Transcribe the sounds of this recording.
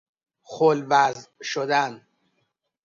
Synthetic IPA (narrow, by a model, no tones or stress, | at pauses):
xolvæzʃod̪æn